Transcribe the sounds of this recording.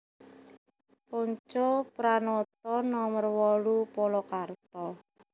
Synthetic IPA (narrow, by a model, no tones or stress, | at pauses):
pɔɲt͡ʃopɾanɔt̪̚ɔnɔmərwɔɽupɔlɔkart̪ɔ